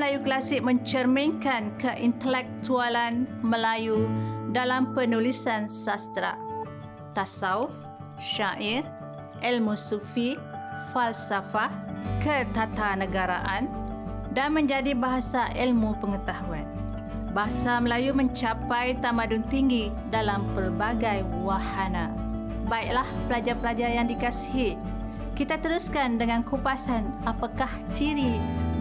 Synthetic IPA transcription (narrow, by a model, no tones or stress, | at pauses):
əlajuklasɪk̚mə̃ɲt͡ʃərmiŋkankəʔint̪əlɛk̚t̪ualanməlajudalampənulisansast̪ɾa̰ʔ | t̪asaʊf | ʃaʔir | ʔɛlmusufi | falsafakət̪at̪anə̃ɡaɾa̰ʔandanmə̃ɲd͡ʒadibaɦasaʔilmupəŋət̪aɦuan | baɦasaməlajumə̃ɲt͡ʃapajt̪amadʊnt̪iŋɡi | dalampərbaɡajwahana | baik̚lahpəlad͡ʒarpəlad͡ʒarjaŋdikasi̥ɦi | kit̪at̪əɾuskandəŋankupasanapakaht͡ʃiɾi